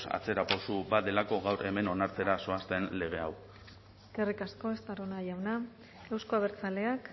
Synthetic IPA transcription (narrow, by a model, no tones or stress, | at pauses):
sa̰t͡se̞ɾaposubad̪e̞lako̞ɣawɾe̞me̞no̞naɾt͡se̞ɾaso̞ast̪e̞nle̞ɣ̞e̞aw | kerikasko̞e̞st̪aɾonajawna | e̞wsko̞aβ̞e̞ɾt͡sale̞ak